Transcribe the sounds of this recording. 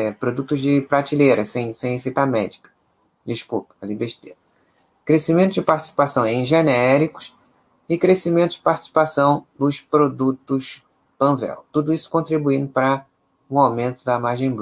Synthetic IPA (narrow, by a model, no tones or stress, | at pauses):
ɛpɾod̪ut̪ʊzd͡ʒɪpɾat͡ʃilejɾɐsẽj̃sẽj̃sit̪amɛd͡ʒikɐ̥ | d͡ʒiʃkṵpɐ̥ɐlĩbeʃt̪ḛɾɐ | kɾesimẽnt̪ʊzd͡ʒɪpaɾt͡ʃi̥si̥pasɐ̃w̃ẽj̃ʒenɛɾikʊ̥s | ɪkɾesimẽnt̪ʊzd͡ʒɪpaɾt͡ʃi̥si̥pasɐ̃w̃d̪ʊspɾod̪ut̪ʊs | pɐ̃vɛ̰wt̪ud̪ʊisʊ̥kõnt̪ɾibuĩnd̪ʊpɾɐ | ũawmẽnt̪ʊd̪ɐmaɾʒẽj̃b